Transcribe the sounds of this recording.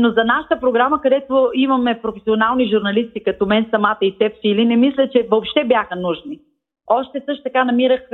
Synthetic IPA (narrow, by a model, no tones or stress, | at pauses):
nozɐnaʃə̥t̪əpɾoɡɾaməkɐd̪ɛt̪oimɐmɛpɾofɛsionalˠniʒuɾnɐlist̪ikɐt̪omɛnsɐmat̪əit̪ɛfsilinɛmislʲət͡ʃɛvoːpʃt̪ɛbjaxənuʒni | ɔʃt̪ɛsɤʃt̪o̥t̪ɐkanɐmiɾəx